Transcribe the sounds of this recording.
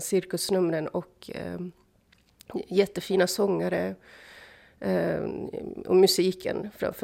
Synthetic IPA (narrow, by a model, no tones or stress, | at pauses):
sɪɾkʉsnɵmɾənɔkʰ | jɛt̪ːəfiːnasɔŋːəɾə | ɔ̰mʉsiːkʰə̰nfɾɑ̰f